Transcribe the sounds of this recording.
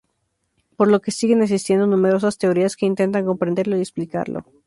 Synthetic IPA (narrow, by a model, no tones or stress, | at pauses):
po̞ɾlo̞ke̞siɣe̞neksist̪je̞nd̪o̞nũme̞ɾo̞sast̪e̞o̞ɾiaske̞int̪e̞nt̪̬aŋko̞mpɾend̪e̞ɾlo̞iesplika̰ɾlo̰